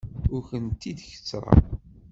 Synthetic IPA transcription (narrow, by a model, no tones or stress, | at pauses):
ʊɾçənt̪ːid̪çə̥t͡sːɾˤɑ̰